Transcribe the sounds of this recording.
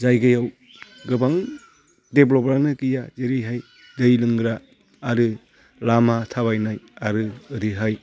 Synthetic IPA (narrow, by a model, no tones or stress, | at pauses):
zajɡɯjaw | ɡɯbaŋ | deblɔpɾanɯkɯjazeɾɯjɦaj | dɯjlɯŋɡɯɾaː | ɾɯ | lamatʰaβajnajaɾɯɯɾɯɦaj